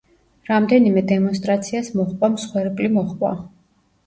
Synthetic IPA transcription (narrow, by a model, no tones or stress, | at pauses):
ɾamd̪ɛnimɛd̪ɛmɔnst̪ʼɾat̪sʰiasmɔχʼwamsχwɛɾpʼlimɔχʼwa̰